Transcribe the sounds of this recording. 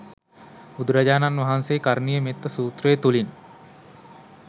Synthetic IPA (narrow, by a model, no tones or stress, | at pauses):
bud̪uɾad͡ʒaːnanʋaɦansejːkaɾnijəmet̪ːəsuːt̪ɾəjet̪ulin